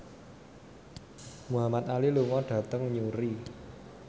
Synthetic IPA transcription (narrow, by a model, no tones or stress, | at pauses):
muɦamat̪̚aliluŋɔɖ̥ä̤t̪əŋɲuɾi